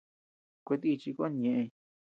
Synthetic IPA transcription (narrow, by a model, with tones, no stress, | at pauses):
kʷe˧t̪i˦˧t͡ʃi˧kʷa˦ɲẽ˧ʔẽ˧